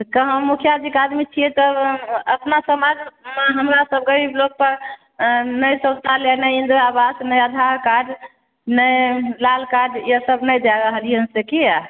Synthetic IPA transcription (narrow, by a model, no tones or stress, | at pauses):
t̪kəɦə̃mukʰjad͡ʒikad̪mit͡ʃʰijɛt̪ɔəpnasəmad͡ʒmɦəmɾasəb̚ɡəɾiblok̚pəɾ | nəjsə̃st̪ʰalenəjind̪ɾabasnəjəd̪ʱaɾkaɖ | nəjlalkaɖjesəbnəjd͡ʒaɾəɦəlijənsekia